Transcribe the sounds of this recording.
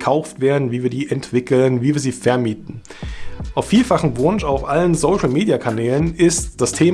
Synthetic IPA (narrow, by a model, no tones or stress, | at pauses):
kʰaʊftv̥eːɐdn̩viːviːɐdiːʔɛntv̥ɪkl̩nviːviːɐziːfɛɐmiːtn̩ | ʔaʊffiːlfaχn̩vʊnʃaʊfʔalənzoʊʃl̩meːdjakʰanɛːlənɪstd̥astʰeː